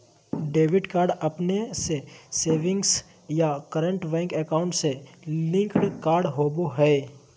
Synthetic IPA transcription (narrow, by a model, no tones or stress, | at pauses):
ɖeːʋɪɖkaːɾɖɐpneseseːʋɪ̃ŋɡs | jakəɾə̃ɳʈbɛ̃ːŋkɛkaːʊ̃ɳʈselɪ̃ŋkɽkaːɾɖɦoːboɦɛː